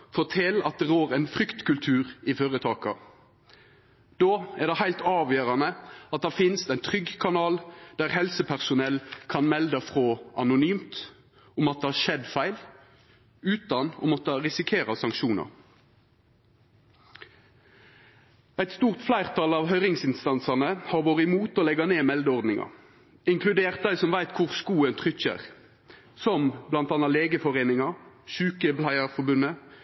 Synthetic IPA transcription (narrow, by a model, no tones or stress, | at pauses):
fɔt̪ʰɛlɑt̪̚d̪ɛʁoːʁɛɪnfʁʏkt̪kʉlt̪ʰʉːʁɪføːʁət̪ʰɑːkɑ̰ | d̪oːæʁd̪ɛhæɪlt̪ɑːʋjøːʁɑnəɑt̪̚d̪æfɪnst̪æɪnt̪ʰʁʏɡkʰɑnɑːld̪̥æʁhɛlsəpʰæʁsʊnɛlkʰɑnmɛld̪əfʁoːʔɑnʊnyːmt̪ | ʊmɑt̪̚d̪ɛhɑːʃɛd̪fæɪl | ʉːt̪ɑnɔ̰mɔt̪ɑʁɪsɪkʰeːʁɑsɑŋkʃuːnɑ̰ʁ | æɪt̪st̪uːʁt̪flæɪʁt̪ʰɑlɑːʋɦœʏʁɪŋsɪnst̪ɑnsɑʁnəhɑːʁʋoːʁəɪmuːt̪oːlɛɡɑneːmɛld̪əɔʁd̪nɪŋɑ̰ | ɪŋkʰlʉd̪eːʁt̪̚d̪æɪsɔmʋæɪt̪kʰʊʁskuːənt̪ʰʁʏçə̰ʁ | sɔmblɑnt̪ɑːnɑleːɡəfɔʁeːnɪŋɑʃʉːkəblæɪəʁfɔʁbʉnə